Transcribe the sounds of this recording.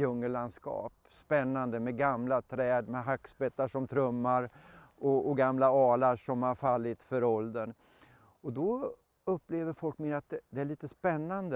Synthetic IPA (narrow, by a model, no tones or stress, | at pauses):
ɵŋːəɭland̪skɑ̰ːp | spɛnːand̪əmɛɡamlat̪ʰɾɛːd̪mɛɦakːsbɛt̪ːaʂɔmt̪ʰɾɵmːaɾɔɔɡamlaɑːlaʂɔmhaɾfalːɪt̪fœɾɔld̪ən | ɔd̪ɔ | ɵpːleːvəɾfɔlkmeːnɾat̪̚d̪ɛd̪ɛæɭiːt̪əspɛnːand̪ə